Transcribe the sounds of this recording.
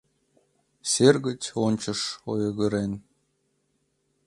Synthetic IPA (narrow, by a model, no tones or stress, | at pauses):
sʲerɣɘ̆tʲonʲt͡ɕɤ̆ʂojɤ̆ɣə̆ɾenʲ